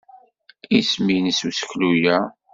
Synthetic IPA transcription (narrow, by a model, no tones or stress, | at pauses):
isminsusə̥çlujæ